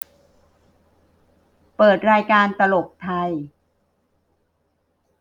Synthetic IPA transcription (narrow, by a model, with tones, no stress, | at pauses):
pɤː˨˩t̪̚ɾaː˧jkaː˧nt̪a˧lo˨˩k̚t̪ʰa˧j